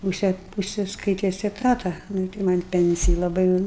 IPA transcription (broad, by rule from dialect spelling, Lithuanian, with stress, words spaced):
mʊˈsʲeːt ʊʃʲsʲɪskɐɪˈtʲɪs ɛˈtɑːtɐ nʊ ɪ tɐɪ mɐnʲ ˈpʲɛnʲt͡sʲɪjɪ lˠɐˈbɐɪ jɛʊ ˈnʊ